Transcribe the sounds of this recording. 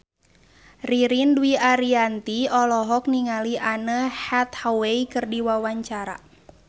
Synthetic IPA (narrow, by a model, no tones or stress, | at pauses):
riɾinduiʔaɾiant̪iɔlɔɦɔk̚niŋaliʔanəhɛt̪̚haweikɨrdiwawaɲt͡ʃaɾa̰